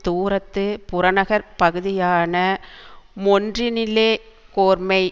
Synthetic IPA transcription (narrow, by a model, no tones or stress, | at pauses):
t̪uːɾɐt̪ːɯpʊɾɐnɐɣɐɾpɐɣɯðɪjaːnɐ | mɔndrinɪleː | koːɾmɐɪ